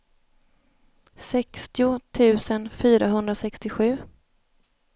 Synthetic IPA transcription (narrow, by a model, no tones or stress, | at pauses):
sɛkst̪ɪʊt̪ʰʉ̟ːsənfyːɾaɦɵnd̪ɾasɛkst̪ɪɧʉ̟ː